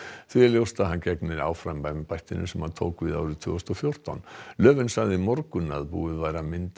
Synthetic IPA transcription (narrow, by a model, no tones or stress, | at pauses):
θviɛljowst̪aðɦancɛknɪɾa̰ːwfɾampajmpajht̪ɪnʔʏsɛmhaðt̪ʰo̰wkvɪða̰ːwɾʏðt̪ʰv̥ʏ̰ːst̪ɔfjowr̥t̪a̰wnlœːvɪnsaɣðɪmɔɾkʏna̰ðpṵːɪðvajɾamɪnt̪